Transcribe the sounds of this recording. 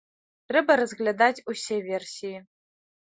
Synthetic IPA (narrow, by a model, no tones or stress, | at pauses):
rɨbɐɾɐzɡlʲad̪atʲusʲevʲersʲiji